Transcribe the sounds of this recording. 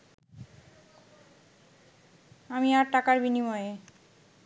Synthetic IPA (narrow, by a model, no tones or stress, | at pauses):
amiaɾʈakaɾbinimɔee